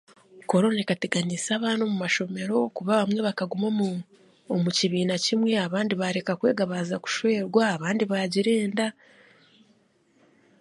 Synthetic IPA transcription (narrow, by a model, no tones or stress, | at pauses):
ko̞ɾo̞naekateɡanisaːβaːnomumaʃo̞me̞ɾo̞kuβaβamwe̞βakaɡumomː | muciβiːnacimwe̞aβaːndiβaɾe̞kakwe̞ːɡaβaːzaku̥ʃwe̞ːɾɡwaːβaːndiβaɟiɾe̞ːnda